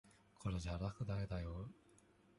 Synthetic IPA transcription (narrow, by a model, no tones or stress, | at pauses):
kʰoɾeʑaɾakɯ̟d̪aked̪ajo